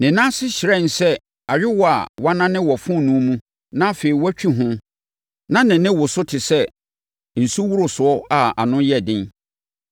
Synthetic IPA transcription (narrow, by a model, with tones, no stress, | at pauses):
nɪ̃˨nã˦sɪ˦ɕɪ˨ɾɛ˦˨n̩˨sɛ˦ | a˨ɾɪ˦wɔ˨a̰˨wa˦nã˦nɪ̃˦wɔ˨fʊ̃˦˨nũ˨˦mũ˦ | nã˦fe˨i˨wɔ˦t͡ɕᶣi˦ɦʊ̃˦ | nã˦nɪ̃˨nɪ̃˦wʊ˨sʊ˦tʰɪ˨sɛ˦ | n̩˨su˦wu˦ɾʊ˨sʊ˨ɔ˦a˨a̰˨nʊ̃˦jɛ˦˨dɪ̃˦n